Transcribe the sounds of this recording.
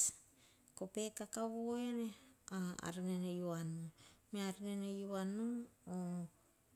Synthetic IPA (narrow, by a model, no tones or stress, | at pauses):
kope̞kakaβoeneaa̰ɾinenejuanumeaɾinenejuanuo